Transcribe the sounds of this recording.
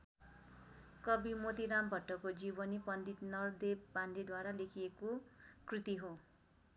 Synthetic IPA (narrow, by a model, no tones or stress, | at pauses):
kʌbimot̪iɾambʱʌʈːʌkod͡zibʌnipʌnd̪it̪nʌrd̪epanded̪waɾalekʰiekokrit̪iɦo